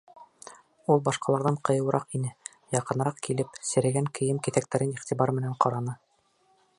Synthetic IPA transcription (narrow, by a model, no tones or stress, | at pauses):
ulˠbɑʃqɑlˠɑɾðɑɴqɤ̆jɤ̆wˠɾɑqinɘ | jɑqɤ̆nɾɑqkilɘpsɘ̆ɾɘ̆ɡæŋkʰɘ̆jɘmkɘθæk̚t̪æɾɘniχt̪ibɑɾmɘ̆næɴqɑɾɑnɤ